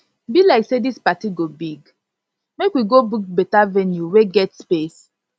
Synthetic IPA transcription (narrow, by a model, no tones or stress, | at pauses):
bilaɪksedispatiɡobiɡ | mekwiɡobukbɛtavɛnjuweɡɛtspes